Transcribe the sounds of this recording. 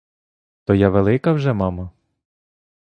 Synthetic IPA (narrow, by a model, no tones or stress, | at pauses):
t̪ɔjaʋelˠɪkɐwʒɛmɑmɐ